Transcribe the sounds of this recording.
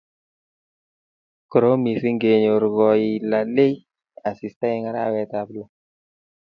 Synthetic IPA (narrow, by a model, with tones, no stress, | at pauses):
kɾo˦mi˨si˦ŋɡe˨ɲo˨ɾɡɔ˨i˨la˨le˦ | a˨si˨sta˦ɪ˦ŋa˦ɾa˦wɛ˦t̪a˨blɔ˨